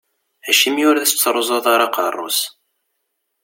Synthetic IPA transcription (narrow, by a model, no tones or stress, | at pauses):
æʃimjʊɾðæst͡sːɾˤozˤoðˤaɾaqɑrˤːo̰s